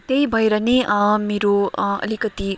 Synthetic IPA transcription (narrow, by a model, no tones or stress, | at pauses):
t̪ejbʱʌeɾʌnemeɾoʌ̰likʌt̪i